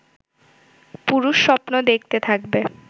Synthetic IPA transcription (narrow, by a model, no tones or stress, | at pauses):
puɾuʃːɔpnod̪ek̚ʰt̪et̪ʰakbe